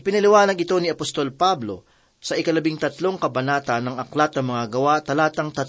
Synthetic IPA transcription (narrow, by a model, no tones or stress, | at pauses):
ɪpɪnɐlɪwaːnɐɡɪt̪o̞niɐpost̪o̞lpablo̞̰ | sɐʔɪkɐlɐbiŋt̪ɐt̪lo̞ŋkɐbɐnaːt̪ɐnːɐŋɐklat̪̚ɐmɐŋaɡɐwat̪ɐlaːt̪ɐŋt̪ɐt̪